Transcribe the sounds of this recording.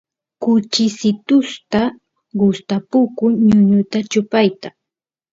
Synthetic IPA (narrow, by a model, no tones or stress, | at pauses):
kʊt͡ʃɪsɪt̪ʊst̪a | ɢʊst̪apʊkʊɲʊɲʊt̪at͡ʃʊpajt̪a